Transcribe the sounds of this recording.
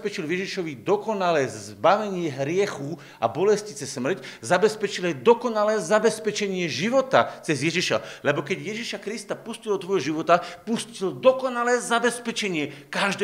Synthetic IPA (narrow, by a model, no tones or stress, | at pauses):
pɛt͡ʃilʋjɛʒiʃɔʋid̪ɔkɔnalɛːzbaʋɛɲɪɛɦɾɪɛxu | a̰bɔlɛscit͡sɛsmr̩czabɛspɛt͡ʃilajd̪ɔkɔnalɛːzabɛspɛt͡ʃɛɲɪɛʒiʋɔt̪at͡sɛzjɛʒiʃa̰lɛbɔkɛɟjɛʒiʃakɾist̪apuscilɔt̪ʋɔjɦɔʒiʋɔt̪apuscild̪ɔkɔnalɛːzabɛspɛt͡ʃɛɲɪɛkaʒd̪